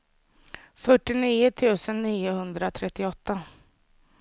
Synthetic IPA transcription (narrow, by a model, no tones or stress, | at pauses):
fœʈːɪniːʊt̪ʰʉ̟ːsənːiːʊhɵnd̪ɾat̪ʰɾɛt̪ːɪɔt̪ːa